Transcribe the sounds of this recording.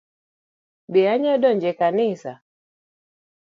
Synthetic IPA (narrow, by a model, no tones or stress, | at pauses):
biaɲaɗɔɲd͡ʒɛkanisa